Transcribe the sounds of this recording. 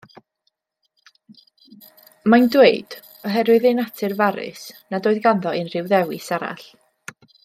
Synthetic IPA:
mandweɨd̥ | ɔɦɛɾwɨðɪnatʰɨrvaɾɪ̰snadoːɨðɡanðɔnr̥ɪwðɛwɪsaɾa̰ɬ

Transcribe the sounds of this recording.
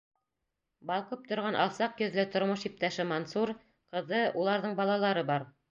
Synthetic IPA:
bɑlˠqop̚t̪ŏɾʁɑnʔɑ̰lˠsɑqjɵ̆ðlɘt̪ŏɾmoʃip̚t̪æʃɘmonsuɾ | qɤ̆ðɤulˠɑɾðɤɴbɑlˠɑlˠɑɾɤbɑɾ

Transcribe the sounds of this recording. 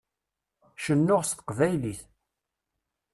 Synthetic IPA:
ʃənːʊʁst̪qvæjliθ

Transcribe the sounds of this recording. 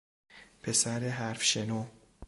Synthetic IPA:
pʰesæɾeɦæɾfʃenoː

